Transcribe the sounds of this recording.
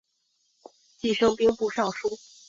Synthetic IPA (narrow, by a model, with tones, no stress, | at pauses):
t͡ɕi˥˩ʂɤ˥ŋpi˥ŋpu˥˧ʂɑ˥˩ŋʂu˥